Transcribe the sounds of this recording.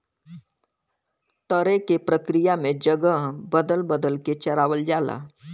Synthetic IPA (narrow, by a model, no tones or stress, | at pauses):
t̪əɾekepɾəkɾijamẽd͡ʒəɡəɦbəd̪əlbəd̪əlket͡ʃɐɾaːʋəld͡ʒaːla̰ː